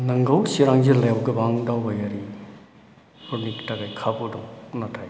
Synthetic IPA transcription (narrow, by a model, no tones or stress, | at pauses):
nɐŋɡɐwsiɾaŋzelajawɡɐbaŋdawbajaɾi | uniktaɡajkʰabudawnatʰaj